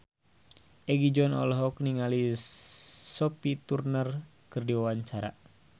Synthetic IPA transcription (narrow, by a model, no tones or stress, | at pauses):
ʔɛɡid͡ʒɔnɔ̰lɦɔkniŋali | sɔpit̪urnər | kɨrdiwawaɲt͡ʃaɾa̰